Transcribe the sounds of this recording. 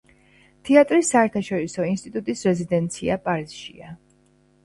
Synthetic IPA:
t̪ʰɛat̪ʼɾisːaɛɾt̪ʰaʃɔɾisɔinst̪ʼit̪ʼut̪ʼisɾɛzid̪ɛnt̪sʰḭapʼaɾiz̥ʃḭa

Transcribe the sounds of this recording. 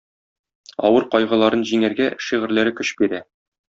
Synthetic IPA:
ɒ̰wɤɾqɒjʁɤ̆lˠɑɾɤnʑiŋæɾɡæʃiʁɘ̆ɾlæɾɘkɵɕbiɾæ

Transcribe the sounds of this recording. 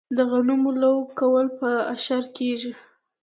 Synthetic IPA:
d̪aɣanumolawkawəlpəaʃaɾkeʒi

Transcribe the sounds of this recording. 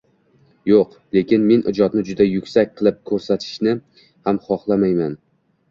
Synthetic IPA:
joq | le̞kʲɪnme̞nɪ̰d͡ʒɒd̪nɪd͡ʒʊd̪ajʊkʲsak̚ʲqʰɨlˠɪp̚kʰɵɾsat̪ʰɪ̥ʃnɪ | hamχɒχlˠamajman

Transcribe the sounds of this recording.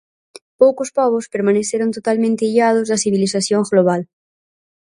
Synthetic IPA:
powkospɔβ̞ospeɾmãneθjeɾont̪ot̪almẽnt̪eiʎað̞ozðasiβ̞iliθaθjoŋɣloβ̞al

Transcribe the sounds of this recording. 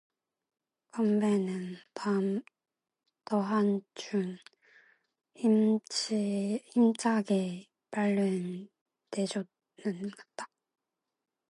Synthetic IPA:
kʌmbenɯnpam | tʌɦant͡ɕun | imt͡ɕaɡe | paɭːɯn | ted͡ʑʌ | nɯnɡʌt̚t͈ḁ

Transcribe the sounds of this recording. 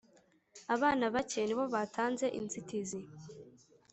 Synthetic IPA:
aβaːnaβaceniβo̞βatʰaːnze̞ʔḭnzitizi

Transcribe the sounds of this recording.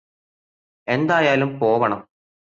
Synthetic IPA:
e̞nd̪aːjaːlumpo̞ːʋɐɳɐm

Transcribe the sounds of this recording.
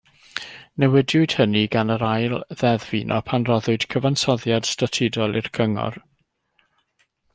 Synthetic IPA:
nɛwɛdjʊɨd̥həniɡanəɾajlˠðɛðviːnʔɔ̰pʰanrɔðʊɨd̥kʰəvansɔðjad̥statʰɪdɔlˠɪrkʰəŋɔ̰r

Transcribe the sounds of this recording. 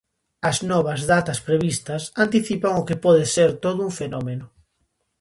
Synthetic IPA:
ɐznɔβɐzðat̪ɐspɾeβist̪ɐsant̪iθipaŋʊkepɔð̞eseɾt̪oðʊuɱfenɔmenʊ

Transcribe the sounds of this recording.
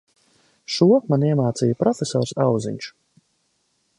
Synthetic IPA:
ʃuɔmaniɛmaːt̪siːjpɾɔfʲesɔ̰ːɾsawzḭɲʲʃu̥

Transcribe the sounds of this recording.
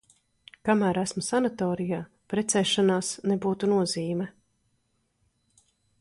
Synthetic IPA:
kamæːɾæsmusanat̪ɔːɾijaː | pɾɛt̪sɛːʃanaːsnebuːt̪unuɔziːmɛ

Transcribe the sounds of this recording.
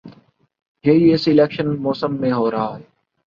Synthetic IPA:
jeɦiːɪsɪleːkʃənmoːsəmːẽːɦoːɾəɦaːɦɛː

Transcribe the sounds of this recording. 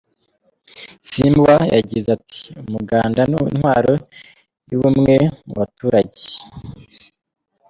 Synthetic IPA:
simbwaja̰ɟizatʰi̥umuɡaːndanuinhwaːɾo̞ | juβumŋe̞muβatuːɾaɟe̥

